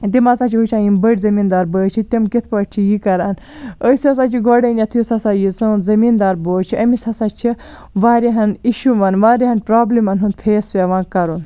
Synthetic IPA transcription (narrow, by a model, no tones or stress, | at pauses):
t̪imasaːt͡ʃʰiɦut͡ʃʰãːjinbəɽʲzɐmiːnd̪aːɾbəːt͡ʃʰit̪ʲimkit̪ʰpɐʈ̚t͡ʃʰijikɐɾaːn | əsiɐsaːt͡ʃʰiɡɔɽɐnʲɐt̪ʰjusɐsaːjit͡sɨ̃zɐmiːnd̪aːɾboːt͡ʃʰiɐmisɐsaːt͡ʃʰi | ʋaːɾʲeɦɐniʃuʋɐnʋaːɾʲiɦɐnpɾaːblimɐnɦũnd̪̚pʰeːspʲeʋãːkɐɾun